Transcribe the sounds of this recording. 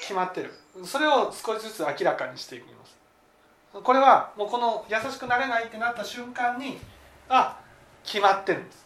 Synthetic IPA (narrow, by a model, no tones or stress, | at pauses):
kʲimat̪ːe̞ɾɯ̟̃so̞ɾe̞o̞sɨ̥ko̞ɕizɨt͡sɨakʲiɾakaɲ̟iɕi̥t̪e̞ikɯ̟ḭma̰sɨ̥ | ko̞ɾe̞βamoːko̞no̞jasaɕi̥kɯ̟naɾe̞nait̪ːe̞nat̪ːaɕɨ̃ŋkãɲ̟ːi | a | kʲimat̪ːe̞ɾɯ̟̃